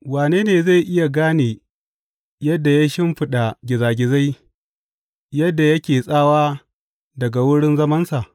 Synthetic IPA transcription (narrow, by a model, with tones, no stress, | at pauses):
waː˨neː˦neː˨za˦˨jʔɪ˦ja˨ɡaː˦neː˨ | jɐ˦dːa˨ja˦ʃɪ˦mɸɪ˦ɗa˨ɡʲɪ˨zaː˨ɡʲɪ˨za˦j | jɐ˦dːa˨jɐ˦kʲeː˨sʼaː˦waː˦ | dɐ˨ɡa˨wʊ˦ɽɪ˦nzɐ˦mɐ˦nsa˨ʔ